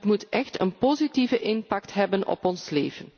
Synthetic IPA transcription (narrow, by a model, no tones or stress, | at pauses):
tmutʔɛxtənpozitivəʔɪnpɑktɦɛbənɔ̰pɔnsleːvən